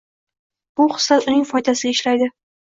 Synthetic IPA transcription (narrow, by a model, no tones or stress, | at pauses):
b̥ʊχɨ̥slat̪ʊnɪŋfɒjd̪asɪɡʲaɪʃlajd̪ɪ